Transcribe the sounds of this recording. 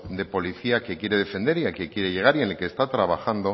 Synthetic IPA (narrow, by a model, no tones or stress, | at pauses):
d̪e̞po̞liθiake̞kje̞ɾe̞ðefe̞nd̪e̞ɾiakekje̞ɾe̞ʝe̞ɣ̞aɾieneke̞st̪at̪ɾaβaxand̪o̞